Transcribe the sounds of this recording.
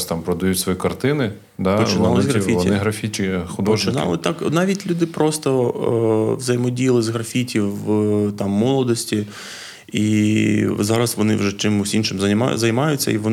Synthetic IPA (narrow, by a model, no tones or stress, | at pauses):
st̪ɑmpɾɔd̪ɐjutʲsʋɔjikɐrt̪ɪnɪ | d̪ɑpɔt͡ʃ̪ɑlˠɪzʲɦɾɐfʲiɔtnʲɪɦɾɐfʲit͡ʃɪxʊd̪ɔɔʒt͡ʃɪnɑ̰lˠɪt̪ɑknɑʋʲitʲlʲud̪ɪpɾɔst̪ɔ | ʋzɐjɪmɔdʲijɐlˠɪzʲɦɾɐfʲitʲiwt̪ɑmːɔlˠɔd̪ɔsʲtʲi | i | zɑɾɐsʋɔnɪwʒɛt͡ʃɪmʊsʲinʃɪmzɐma̰zɐjmɑjʊt͡sʲːɐ̰iʋɔn